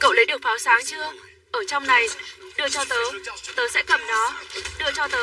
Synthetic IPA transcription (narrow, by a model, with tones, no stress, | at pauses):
kə̰˧˨wlə˨˦jɗɨ˨˩ək̚faː˨˦wsaː˨˦ŋt͡ɕɨ˧ə | ʔəː˧˩t͡ɕɔ˧wŋ͡mna˨˩jɗɨ˧˩ət͡ɕɔ˧t̪əː˨˦jt̪əː˨˦jsɛ̰˧˥kə˧˩mnɔ˨˦ɗɨ˧ət͡ɕɔ˧t̪əː˨˦